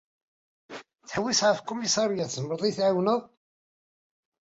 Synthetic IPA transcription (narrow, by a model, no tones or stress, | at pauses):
θə̥ħəwːisʕəfkːʊmisɑɾjæθəməɾˤðˤiθʕawnəð